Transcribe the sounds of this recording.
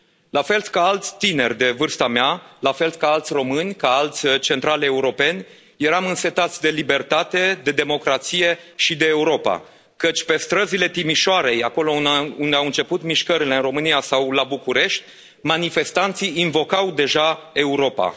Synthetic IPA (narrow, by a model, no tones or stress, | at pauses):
lafe̞lt̪kaalt̪sʲt̪ine̞rʲd̪e̞vɨrst̪amealafe̞lt̪kaalt̪sʲro̞mɨnʲkaalt̪sʲt͡ʃe̞nt̪ɾale̞uɾo̞pe̞nʲ | je̞ɾamɨnse̞t̪at̪sʲd̪e̞libe̞rt̪at̪e̞d̪e̞d̪e̞mo̞kɾat̪sije̞ʃid̪e̞ːuɾo̞pa̰ | kət͡ʃʲpe̞st̪ɾəzile̞t̪imiʃoaɾe̞jako̞lo̞und̪eawɨnt͡ʃe̞put̪miʃkəɾile̞ɨnro̞mɨnijasawlabukuɾe̞ʃt̪ʲ | manife̞st̪ant̪siinvo̞kawd̪e̞ʒae̞uɾo̞pa̰